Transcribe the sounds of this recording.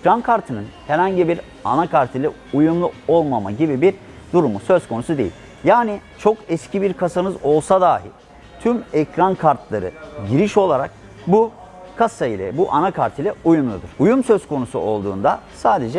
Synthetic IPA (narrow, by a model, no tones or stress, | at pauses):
ɛcɾankʰaɾt̪ʰɯnɯnhɛɾhaɲɟibiɾ | anakʰaɾt̪ʰilʲɛ | ujumlˠuo̞lˠmama̰ɟibibiɾ | d̪uɾumusøzkʰo̞nusud̪e̞̰ḭlʲ | jaːnit͡ʃʰo̞kɛscʰibiɾkʰasanɯzo̞lˠsad̪aːɦḭ | t̪ʰymɛcɾankʰaɾt̪lˠaɾɯ̰ɟiɾiʃo̞lˠaɾak̚ | bu | kʰasailʲɛ̰buʔanakʰaɾt̪ʰilʲɛujumlˠud̪ɯɾ̥ujumsø̞zkʰo̞nusṵo̞lˠd̪ṵːnd̪asaːd̪e̞d͡ʒɛ